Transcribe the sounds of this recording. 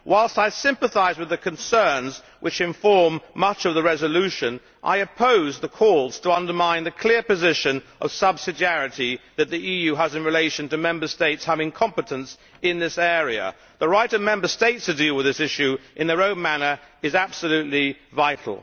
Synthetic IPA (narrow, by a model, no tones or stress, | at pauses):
wʔaɪlˠstaɪsɪ̃mpəθaɪzwɨðɨkʰɨ̃nsɜ̃˞nz | wɨt͡ʃɨ̃ɱfɔɹmːʌt͡ʃʌvðəɹɛzəlʉʃɨ̃n | ʔa̰ɪɨpʰoʊzðəkʰɔɹˠz̥tʰəʌ̃ndə˞mãɪ̃nðɨkʰl̥ɪɹpɨzɪʃɨ̃nʔʌ̰v̥sʌb̥sɨdiæɹɨɾiðɨt̪̚ðiʔijʉəzɨ̃nɹileɪʃɨ̃ntɨmɛ̃mbə˞steɪtshəvɨ̃nkʰɑ̃mpɨɾɨ̃ns | ɪ̃nðɪsɛɹiɨ̰ | ðəɹaɪɾʌvmɛ̃mbə˞steɪtstʰɨdilˠwəðɪsɪʃʉʔɨ̃nðə˞õʊ̃nmænə˞ɨzæb̥səlʉtˡlivaɪɾl̩ˠ